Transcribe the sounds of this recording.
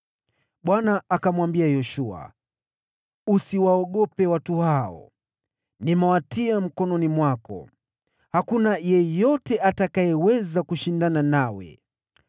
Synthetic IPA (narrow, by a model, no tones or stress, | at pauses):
ɓwanaːkamwambiajɔʃua̰ | usiwaɔɠɔpɛwatuhaɔ̰ | nimawatiam̩kɔnɔnimwakɔ̰ | hakunajɛjɔtɛʔatakajɛwɛzakuʃindananawɛ̰